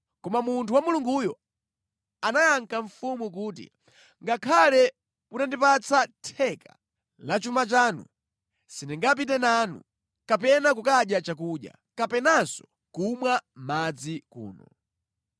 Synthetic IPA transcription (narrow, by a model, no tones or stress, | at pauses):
kɔmamuntʰuwamuluŋɡujɔ | anajaŋkaɱfumuk̬uːt̬ḭ | ŋɡakʰalɛ | putandipat͡sʰatʰɛka | lat͡ʃumat͡ʃaːnṵ | sinɛŋɡap̬it̬ɛnanṵ | kapɛnak̬ukaɗjat͡ʃak̬uɗja̰ | kapɛnansɔ | kumwamad͡zikṵːnɔ